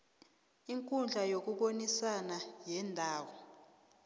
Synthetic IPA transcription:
iŋkʼund͡ɮʱajok̬uɓonisanajɛːndʱaːwɔ

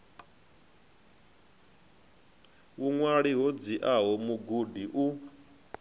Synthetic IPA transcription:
wuŋwaɺiɦod͡ziʔaɦɔmuɡudiʔu

